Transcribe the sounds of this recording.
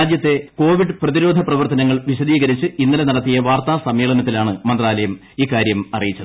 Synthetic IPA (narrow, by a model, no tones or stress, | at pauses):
aːd̪jɐt̪ːe̞ko̞ːʋiɖɨprɐðiɾo̞ːd̪ʱɐprɐʋɐrt̪ɐnɐŋːɐɭʋiɕɐðiːɣɐɾit͡ɕːɨinːɐlenɐɽɐt̪ːijɐʋaːrt̪aːsɐmjeːɭɐnɐt̪ːilaːɳɨmɐnd̪raːlɐjɐm | iːkːaːɾjɐmɐrijit͡ɕːɐðɨ